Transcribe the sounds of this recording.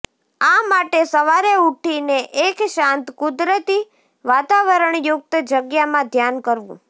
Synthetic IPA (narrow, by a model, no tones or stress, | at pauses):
amaʈesəʋaɾeuʈʰineʔekʃãnt̪kʊd̪ɾət̪i | ʋat̪aʋəɾəɳjʊk̚t̪d͡ʒəɡjamãd̪ʱjankəɾʋṵ̃